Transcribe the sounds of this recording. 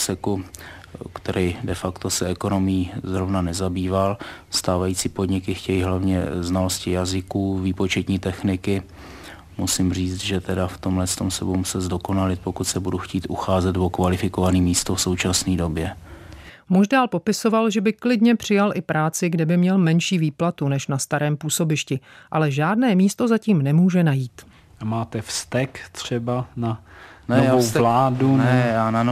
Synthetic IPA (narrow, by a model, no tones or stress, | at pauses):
sɛku | kt̪ɛɾʔɛjdɛfakt̪o̞sɛɛko̞no̞mɪjiːzɾo̞vnanɛzabiːvalst̪aːvajit͡siːpodɲɪkɪxcɛjiɦlavɲɛ̰znalo̞scɪjazɪkuːviːpo̞t͡ʃɛt̪ɲiːt̪ɛxnɪkɪ | musɪmr̝iːt͡st̪ʒɛt̪ɛdaft̪omlɛst̪omsɛ̰bomusɛzdo̞ko̞nalɪt̪̚po̞kut̪sɛbuduxciːt̪ʔuxaːzɛd̪vokvalɪfɪkovaniːmiːst̪ofso̞wt͡ʃasniːdo̞bjɛ | muʒdaːlpo̞pɪso̞valʒɛbɪklɪdɲɛpr̥ɪjalʔɪpɾaːt͡sɪɡdɛbɪmɲɛlmɛnʃiːviːplat̪unɛʃnast̪aɾɛːmpuːso̞bɪʃcɪʔalɛʒaːdnɛːmiːst̪o̞zaciːmnɛmuːʒɛnajiːt̪ | amaːt̪ɛfst̪ɛkt̪r̝̥ɛbananɛovaːowlaːdunɛjaːnano